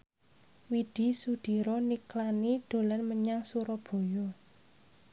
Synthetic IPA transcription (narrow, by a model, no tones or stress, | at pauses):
wid̪̥i̤sud̪̥i̤ɾɔniklaniɖ̥o̤lanməɲaŋsuɾɔb̥o̤jɔ